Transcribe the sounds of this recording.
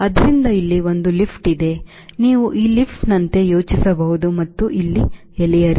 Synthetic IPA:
ɐd̪ɐɾind̪ɐilːiʋo̞nd̪ulipʰʈid̪e̞ | niːʋuʔiːlipʰʈnɐnt̪e̞jo̞ːt͡ʃisɐbɐɦud̪umɐt̪ːuʔilːi | elijɐɾi

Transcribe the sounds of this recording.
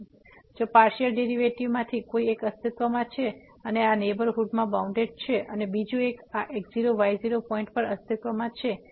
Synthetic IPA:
d͡ʒopaɾʃəlɖeɾiʋeʈiʋmãt̪ʰikoiekəst̪ʰit̪ʋəmãt͡ʃʰe | əneanebəɾɦuɖmãbaũɳɖeɖ̚t͡ʃʰeʔənebid͡ʒũekaʔek̚ziɾoʋajziɾopɔĩɳʈ̚pəɾəst̪ʰit̪ʋəmãt͡ʃʰe

